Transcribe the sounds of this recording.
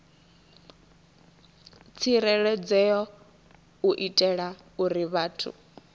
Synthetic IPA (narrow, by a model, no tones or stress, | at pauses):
t͡sʰiɾɛɺɛd͡zɛjɔ | uʔitʼɛɺa | uɾiβaːtʰṵ